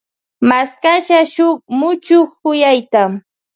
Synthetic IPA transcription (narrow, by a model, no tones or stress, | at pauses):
maskaʃaʃʊχmʊt͡ʃʊχʊjajt̪a